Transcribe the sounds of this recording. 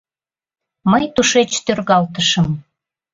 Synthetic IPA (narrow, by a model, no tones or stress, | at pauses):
məjt̪uʃet͡ɕt̪ørɣɑlt̪əʃəm